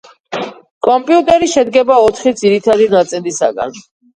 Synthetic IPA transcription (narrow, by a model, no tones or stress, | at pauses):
kʼɔmpʼiut̪ʼɛɾiʃɛd̪ɡɛbaɔt̪ʰχid̪ziɾit̪ʰad̪iɡat̪sʼɛnd̪isa̰ɡa̰n